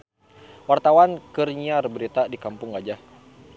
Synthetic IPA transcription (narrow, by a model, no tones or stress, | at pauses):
wart̪awankərɲiarbəɾit̪adikampʊŋɡad͡ʒah